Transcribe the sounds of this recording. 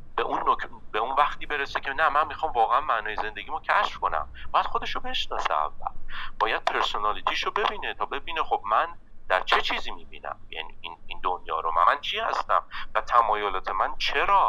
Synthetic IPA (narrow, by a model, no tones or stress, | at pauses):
b̥eʔunːokʰbeunvæχt̪iːbe̞ɾesecʰe̞næmænmixɒːmvɒːɣeænmæʔnɒːjeze̞nd̪eɡiːmocʰæʃfkʰo̞næ̰mb̥ɒːjæd̪xo̞d̪e̞ʃobe̞ʃnɒːsḛæ̰vːæ̰lb̥ɒːjæd̪̥̚pʰe̞ɾsonɒːlit̪ʰiːʃobe̞biːne̞t̪ʰɒːbe̞biːne̞xob̥̚mænd̪̥æɾt͡ʃʰe̞t͡ʃʰiːziːmiːbḭːnæ̰mjæ̰nḭːʔinind̪onjɒ̰ːɾomæ̰ænt͡ʃʰihæst̪æ̰mvæt̪ʰæmɒːjolɒːt̪ʰe̞mænt͡ʃʰe̞ɾɒː